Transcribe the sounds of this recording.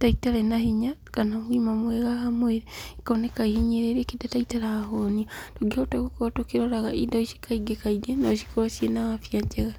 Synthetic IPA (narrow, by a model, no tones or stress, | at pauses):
taitaɾenahiɲakanamwimamweɣahamweɾeikanekaihiɲeɾeɾekidataitaɾaaɦoniatoɡihotakukotokiɾoɾaɣaʔidaoʃi̥kʰaiɡekaiɡenaoʃi̥koɾosjenawafjad͡ʒeɣa